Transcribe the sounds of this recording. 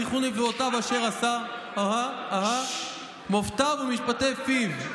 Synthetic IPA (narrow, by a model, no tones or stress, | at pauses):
iχuliveot̪avaʃeʁasa | haɦa | aɦa | moft̪avumiʃpat̪efiv